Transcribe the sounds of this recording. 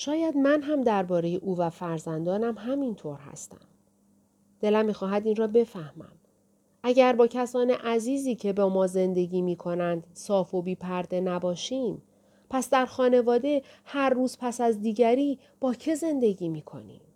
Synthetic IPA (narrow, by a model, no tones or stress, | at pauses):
ʃɒːjæd̪mænɦæmd̪æɾbɒːɾe̞jeʔuːvæfæɾzænd̪ɒːnæmɦæmint̪ʰoɾɦæ̰st̪æ̰m | d̪̥e̞læmːiːxɒːɦæd̪iːnrɒːbe̞fæhmæ̰m | ʔæɟæɾbɒːcʰæsɒːne̞ʔæziːziːcʰe̞bɒːmɒːze̞nd̪e̞ɟiːmiːkʰo̞nænd̪̥sɒːfo̞biːpʰæɾd̪e̞næbɒːʃiːm | pʰæsd̪æɾxɒːne̞vɒːd̪e̞hæɾːuːzpʰæsæzd̪iːɟæɾiː | b̥ɒːcʰe̞ze̞nd̪e̞ɟiːmiːkʰo̞̰nḭːm